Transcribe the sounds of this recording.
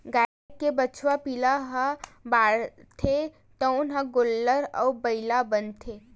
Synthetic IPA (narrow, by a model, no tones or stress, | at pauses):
ɡaː | ʈ̚kebət͡ʃʰwapilaɦə̃baːɽt̪ʰe | t̪əʊnɦə̃ɡolːəɾɔ̰ːbəɪlabənt̪ʰeː